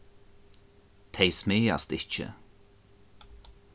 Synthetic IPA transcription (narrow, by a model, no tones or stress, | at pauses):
t̪ʰejsmeːa̰st̪ɪht͡ʃə̰